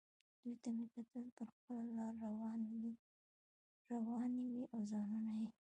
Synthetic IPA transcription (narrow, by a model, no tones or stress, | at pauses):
d̪̥ujt̪amekat̪əlp̪əɾxpəlalɑɾːawɑnwi | ɾawɑniwiʔawzɑnunawi